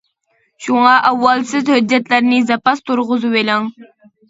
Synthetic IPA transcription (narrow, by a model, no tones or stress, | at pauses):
ʃuŋɑʔæwːɑlˠsɪzhød͡ʒːɛt̪læɾnɪzɑpɑst̪ʰuɾʁʊzuwelɪŋ